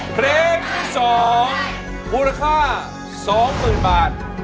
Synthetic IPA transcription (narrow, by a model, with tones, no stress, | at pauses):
pʰɾeː˧nt̪ʰiː˥˩sɔː˩˦ŋ | buː˧ɾa˧kʰaː˥˩ | sɔː˩˦ŋmɯː˨˩nbaː˨˩t̪̚